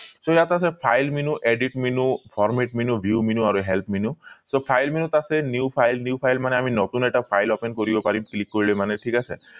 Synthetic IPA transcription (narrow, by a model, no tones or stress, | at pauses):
sojjat̪asepʰajlminuʔeɖiʈminupʰɔɾmeʈminubʱjuminuaɾuɦelpminusopʰajlminut̪asenjupʰajlniupʰajlmaneaminɔt̪unɛkʈapʰajlɔpenkoɾibɔpaɾiklikːoɾilemaneʈʰikasʰḛ